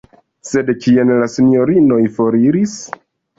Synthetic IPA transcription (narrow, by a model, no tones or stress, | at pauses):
se̞dkʰienlasino̞ɾino̞jfo̞ɾiɾis